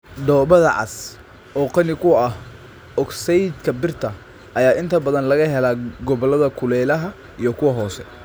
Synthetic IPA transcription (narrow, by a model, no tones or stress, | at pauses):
ɖ̪ɔːβɐðɐʕɑ̰s | ʔɔːqɑnɪkʰʊɐh | ɔksɛjd̪kʰɐbɪrt̪ʰɐ | ʔɐjaːʔɪnt̪ʰɐbɐðɐnlɐɣɐɦɛlaːɡɔβɔlɐðɐkʰʊlɛːlɐɦɐ | ijɞkʰʊwɐɦɔːsɛ